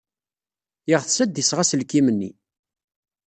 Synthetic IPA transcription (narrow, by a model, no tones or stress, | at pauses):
jəʁθsæd̪isʁasəlkːimənːḭ